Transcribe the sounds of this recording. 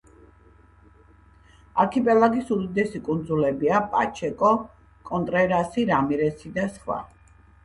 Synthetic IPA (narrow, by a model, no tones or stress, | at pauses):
aɾkʰipʼɛlˠaɡisuɾid̪ɛsikʼund̪zulɛbiapʼa̰t͡ʃʰɛkʼɔ | kʼɔnt̪ʼɾɛɾasiɾamiɾɛsid̪asχwa̰